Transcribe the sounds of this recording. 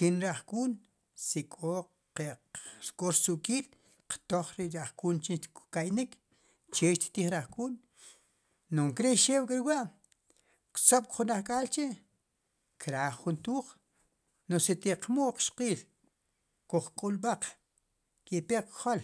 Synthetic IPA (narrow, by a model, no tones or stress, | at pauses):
kinɾaχkuːn | sikʼo | qeʔɾkʼoɾsuʔkʼiːl | qt̪oχɾeʔɾaχkuːnt͡ʃikkajnik | t͡ʃeʃt̪t̪iːχɾaχkuːn | noŋkɾeʃeːwkʼaɾwaʔ | ksoɓ̚kχunaχkʼaːlt͡ʃeʔ | kɾaːχːunt̪uːχ | noset̪iqmuʔq͡χʃqiːl | kuχkʼulɓaq͡χ | kepeqkχol